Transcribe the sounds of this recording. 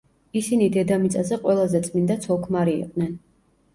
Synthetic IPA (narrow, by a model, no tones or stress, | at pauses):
isinid̪ɛd̪amit̪sʼazɛqʼwɛlˠazɛt̪sʼmind̪at̪sʰɔkʰmaɾḭːqʼnɛn